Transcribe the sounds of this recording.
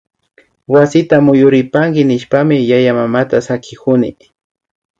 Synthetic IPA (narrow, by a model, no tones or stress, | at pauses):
wasɪt̪amʊjʊɾɪpaŋkɪnɪʃpamɪjajamamat̪asakʰɪkʊnɪ̰